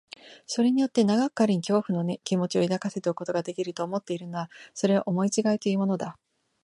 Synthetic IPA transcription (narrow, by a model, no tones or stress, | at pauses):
so̞ɾe̞ɲ̟ijo̞t̪ːe̞naɡakːaɾʲiɲ̟ikʲo̞ːɸɯ̟no̞nekʲimo̞t͡ɕio̞id̪akase̞t̪eoko̞t̪o̞ɡad̪e̞kʲiɾɯ̟t̪o̞ːmo̞t̪ːe̞iɾɯ̟noβaso̞ɾe̞βaʔomo̞it͡ɕiɡait̪o̞iɯ̟mo̞no̞d̪a